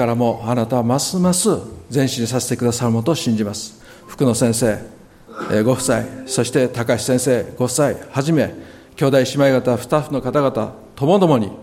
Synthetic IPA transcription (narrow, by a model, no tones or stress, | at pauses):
kaɾamo̞anat̪aβamasɨmasɨzẽ̞ɕiɲ̟isase̞t̪e̞kɯd̪asaɾɯ̟mot̪oːɕĩɲ̟d͡ʑimasɨ̥ | ɸɯ̥kɯ̟no̞sẽ̞ɰ̃se̞ː | ɡo̞ɸ̟saiso̞ɕi̥t̪e̞t̪akaɕi̥sẽ̞ɰ̃se̞ːɡ̥o̞ɯ̟saihaʑime̞ | kʲo̞ːd̪aiɕimaiɡat̪aɸɯ̟̥t̪aɸɯno̞kat̪aɡat̪a̰ | t̪o̞mo̞d̪o̞mo̞ɲ̟i